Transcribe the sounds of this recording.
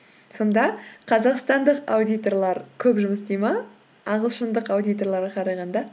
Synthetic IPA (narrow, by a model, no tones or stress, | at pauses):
so̞nd̪ɑqʰɑzɑqst̪ɑnd̪əqawd̪ʲijt̪o̞rlˠɑɾkʲʰɵpʒʊməsd̪ejmɑ | ɑʁəlˠʃənd̪əqawd̪ijt̪o̞rlˠɑɾʁɑqʰɑɾɑjʁɑnd̪ɑ